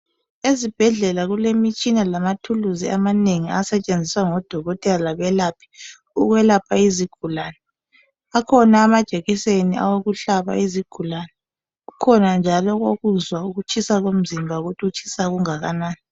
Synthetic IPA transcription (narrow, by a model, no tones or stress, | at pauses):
ezib̥ʱɛɮɛlaɣulemit͡ʃʼinalamatʰuluzia̰maneŋiasɛt͡ʃʼend͡zʱiswaŋɔd̥ʱɔɣɔtʼɛlalaβɛlapʰi̥ | uɣwɛlapʰaiziɡ̥ʱulaːnɛ | akʰɔnaːmad̥ʒ̥ʱeɣisenia̰woɣuɬaβa̰iziɡ̥ʱulanɛ | ɣukʰɔnand͡ʒʱalɔɣoɣuzwauɣut͡ʃʰʼisaɣom̩zimbʱauɣutʰiut͡ʃʼʰi̥saɣuŋaɣanaːniɛ